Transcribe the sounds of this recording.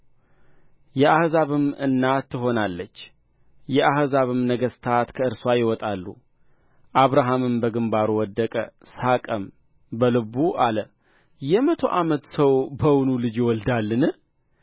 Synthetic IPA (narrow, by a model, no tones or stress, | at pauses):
jɛʔahzaβɨmɨnːat̪ːɨɦo̞nalːət͡ʃː | jɛʔahzaβɨmnəɡəst̪ʰat̪kʰəɨɾswajɪwɔt̪ʼalːṵ | ʔaβɾaɦamɨmbəɡɨmbaɾuwɔd̪ːəkʼə̰sakʼəm | bəlɨβuʔalə | jɛmət̪ʰo̞̰ʔamət̪səwbəwnulɨd͡ʒjɪwɔld̪alːɨnɨ